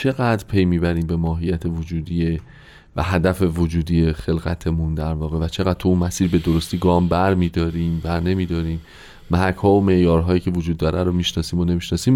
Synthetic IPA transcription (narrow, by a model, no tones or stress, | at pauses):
t͡ʃʰe̞ɣæd̪ɾpʰejmiːbæɾiːmbe̞mɒːɦijːæt̪ʰe̞vod͡ʒuːd̪iːje | væ̰ɦæd̪æfe̞vod͡ʒuːd̪iːjexe̞lɣæ̰t̪ʰe̞mund̪æɾvɒːɣe̞væt͡ʃʰe̞ɣæd̪̥̚t̪ʰuunmæsiːɾbe̞d̪oɾost̪iːɡɒːmbæɾmiːd̪ɒːɾiːmbæɾne̞miːd̪ɒːɾiːm | mæɦækʰhɒːome̞ʔjɒːɾɦɒːjiːcʰe̞vod͡ʒuːd̪ːɒːɾʔæɾomiːʃnɒːsiːmone̞miːʃnɒːsiːm